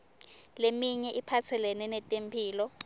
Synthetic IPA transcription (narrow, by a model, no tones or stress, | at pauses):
lemiɲɛʔipʰat͡sʰɛlɛnɛnɛtʼempʰiːlɔ